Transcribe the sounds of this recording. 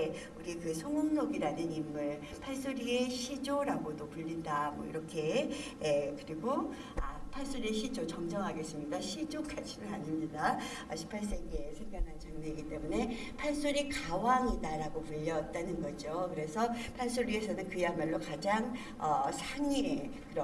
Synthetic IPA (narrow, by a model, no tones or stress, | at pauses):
e | uɾikɯsʰoŋumsoɡiɾanɯnimːɯɭ | pʰaɭs͈oɾie̞ɕʰid͡ʑoɾaɡodopuʎːindamwʌḭɾʌkʰe̞ː | kɯɾiɡo | a̰pʰaɭs͈oɾiɕʰid͡ʑot͡ɕʌŋd͡ʑʌŋɦaɡe̞s͈ɯmɲidaɕʰid͡ʑok͈ʰat͡ɕʰinɯnaɲimɲida | ʌɕʰi̥pʰaɭs̬͈eɡesʰeŋɡanɦant͡ɕaŋɲeiɡit͈e̞mune̞ | pʰaɭs͈oɾikawaŋidaɾaɡopuʎːʌt̚t͈anɯnɡʌd͡ʑokɯɾe̞sʰʌpʰaɭs͈oɾie̞sʰʌnɯnkɯjamaɭːokad͡ʑaŋ | ʌsʰaɲiekɯɾʌ